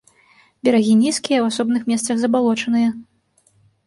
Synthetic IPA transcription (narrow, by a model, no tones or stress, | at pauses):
bʲɛɾaɣʲinʲiskʲijɐwasɔbnɨxmʲɛst̪sɐɣzɐbalˠɔt͡ʂɐnɨjɐ